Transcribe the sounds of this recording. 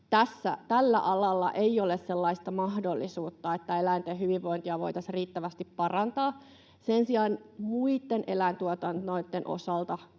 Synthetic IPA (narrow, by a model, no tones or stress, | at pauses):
t̪æsːæt̪ælːæ̰ʔɑlɑlːɑ̰ʔeiolesselːɑist̪ɑmɑhdolːisuːt̪ːɑet̪ːæelæint̪ehyʋiʋːo̞int̪iɑʋo̞̰it̪ɑsriːt̪ːæʋæst̪ippɑrɑnt̪ɑː | sensiɑːnmuit̪ːenʔelæint̪uɔt̪ɑnoit̪ːenʔo̰sɑlt̪ɑ